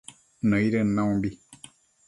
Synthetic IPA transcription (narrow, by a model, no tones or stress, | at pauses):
nɔ̃iɾɛnãw̃bi